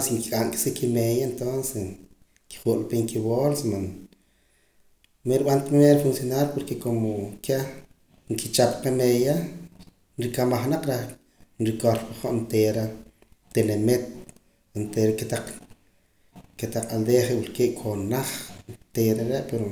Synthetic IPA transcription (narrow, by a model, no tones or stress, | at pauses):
siŋkikʼaŋkʼi̥sikimejaent̪ons | ki̥χuʔlpeŋkiβolsman | meɾiɓant̪enemeɾafunsjonaɾpoɾkekomoke | ŋkit͡ʃapqemeja | nɾikamaχnaq͡χɾah | nɾikoɾpiχoʔnt̪eːɾa | t̪enemet̪̚ | nt̪eɾakt̪aq͡χ | ket̪aq͡χald̪eχewulkeːʔkʰonaχt̪eɾaɾeʔpeɾo